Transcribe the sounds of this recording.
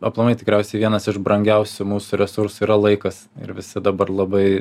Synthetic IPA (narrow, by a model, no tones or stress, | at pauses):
ɐplˠɐmɐɪt̪ʲɪkɾʲɛʊsʲɛɪʋʲiɛnɐsɪʒbɾɐŋʲɡʲɛʊsʲʊmuːsʊɾʲɛsʊɾsʊiːɾɐlˠɐɪkɐsɪ̰ɾʋʲɪsʲɪd̪ɐbɐrlˠɐbɐɪ